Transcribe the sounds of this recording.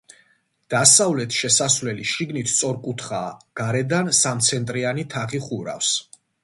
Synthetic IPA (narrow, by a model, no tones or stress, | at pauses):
d̪̥asavlɛt̪ʰʃɛsasvlɛliʃiɡnit̪ʰt̪sʼɔɾkʼut̪ʰχaːɡ̥aɾɛd̪ansamt̪sʰɛnt̪ʼɾianit̪ʰaχiχuɾa̰fs